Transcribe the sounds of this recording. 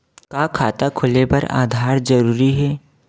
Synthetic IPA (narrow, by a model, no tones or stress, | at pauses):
kaːkʰaːt̪akʰʊlepɐɾa̰ːd̪ʱaːɾd͡ʒɐɾuːɾiɦɛː